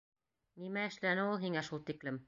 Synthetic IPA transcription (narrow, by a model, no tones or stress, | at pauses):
nimæɘ̆ʃlænɘulˠɦiŋæʃulˠt̪iklɘm